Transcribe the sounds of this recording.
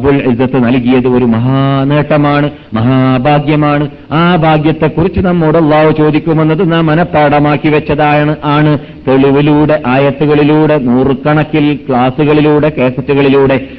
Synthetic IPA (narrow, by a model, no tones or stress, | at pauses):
bulʔizːɐt̪ːɨnɐlkijɐðɨo̞ɾumɐɦaːneːʈːɐmaːɳɨ | mɐɦaːbʱaːɡjɐmaːɳɨ | aːbʱaːɡjɐt̪ːe̞kːurit͡ɕːɨnɐmːoːɽɐlːaːhut͡ɕo̞ːd̪ikʲːume̞nːɐðɨnaːmːɐnɐpːɐːɽɐmaːkːiʋɐt͡ɕːɐðaːjaɳɨʔaːɳɨ | t̪e̞ɭiʋiluːɽe̞ʔaːjɐt̪ːuɣɐɭiluːɽe̞nuːrɨkɐɳɐkːilkɭaːsuɣɐɭiluːɽe̞keːsɐtːuɣɐɭiluːɽe̞